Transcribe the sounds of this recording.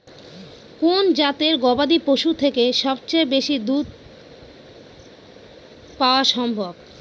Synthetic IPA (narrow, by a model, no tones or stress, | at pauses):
kond͡ʑat̪eɾɡɔbad̪ipoʃut̪ʰekeʃɔbt͡ɕaebeʃid̪ud̪̚ | paoaʃɔmbʱob